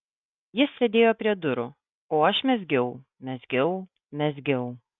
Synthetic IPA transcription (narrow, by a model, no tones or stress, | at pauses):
jɪsʲsʲed̪ʲeːjoːpʲɾʲiɛd̪ʊɾʊ | oːɐʃmʲɛzʲɡʲɛʊ | mʲɛzʲɡʲɛʊ | mʲɛzʲɡʲɛʊ